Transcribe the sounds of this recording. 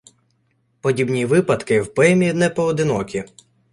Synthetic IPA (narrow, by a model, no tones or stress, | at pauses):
pɔdʲibnʲiʋɪpɐd̪kɪwpɛmʲinɛpɔɔd̪ɪnɔkʲi